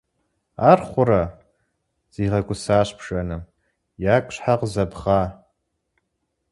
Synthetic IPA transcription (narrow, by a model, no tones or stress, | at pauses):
arχʷʊɾa | z̥iʁakʷʼʊsaːɕʷpʰʂanɨm | jakʷʼʂħaqʼzabʁa